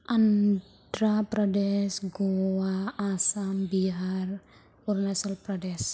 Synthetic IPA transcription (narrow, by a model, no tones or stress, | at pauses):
an | dɾapɾadɛsɡowaːsambiɦar | urnasalpɾadɛs